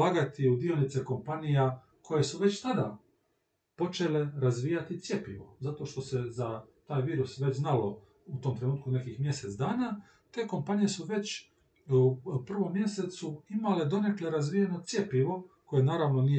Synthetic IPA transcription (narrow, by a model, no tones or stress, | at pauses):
aːɡat̪iud̪iolnit̪seko̞mpanija | kʰo̞je̞suʋe̞t͡ɕt̪ad̪a | po̞t͡ʃe̞le̞ɾazʋiːjat̪it̪sje̞piʋo̞̰zat̪o̞ʃt̪o̞se̞zat̪aːjʋiːɾusʋe̞t͡ɕznalo̞ | ut̪o̞mt̪ɾe̞nuːt̪kune̞kixmje̞se̞t̪sd̪aːna | t̪e̞ːko̞mpanije̞suʋe̞t͡ɕ | upr̩ʋo̞mːje̞se̞t̪suimale̞d̪o̞ne̞kleɾazʋijeno̞t̪sʲje̞piʋo̞kojenaːɾaʋno̞nije